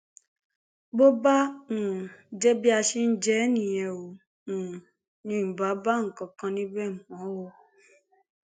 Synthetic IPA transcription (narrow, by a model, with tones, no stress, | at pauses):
bo˦ba˦nũ˨˦d͡ʒɛ˦bi˦a˧ʃi˦n̩˦d͡ʒɛ˦nĩ˨jɛ̃˨o˨ | nũ˨ | nĩ˨˦m̩˨ba˨˦ba˦˨ŋ̩˨kɔ̃˨kã˧nĩ˦bɛ˦˨m˨ɔ̃˨˦wo˧˦